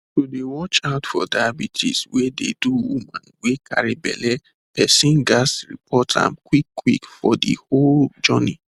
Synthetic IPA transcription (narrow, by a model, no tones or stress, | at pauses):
todewɔt͡ʃaʊtfɔ̰daabitʰḭswedḛduwumãnwekʰaɾibɛ̰lɛ | pɛsĩnɡasɹḭpʰɔtʰã̰mkwikːwikfɔdḭhold͡ʒɔni